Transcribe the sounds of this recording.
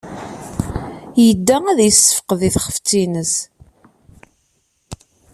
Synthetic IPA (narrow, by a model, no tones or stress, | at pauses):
jəd̪ːææðjəsə̥fəqðiθχə̥ft͡sːinəs